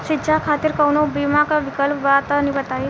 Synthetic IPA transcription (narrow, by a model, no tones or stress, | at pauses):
ʃit͡ʃakʰat̪iːɾkəwnobimakaʋikəlpʋat̪ənibət̪ai